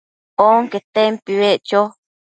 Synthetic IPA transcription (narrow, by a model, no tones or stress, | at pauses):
oŋket̪empiweʔt͡ʃo